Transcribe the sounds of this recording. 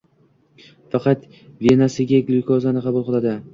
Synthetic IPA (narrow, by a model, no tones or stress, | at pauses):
fɑqɑt̪ | ve̞nasɪɡʲakʲlʊkʰɒzanɪqʰɑbʊlˠqɨlˠad̪ɪ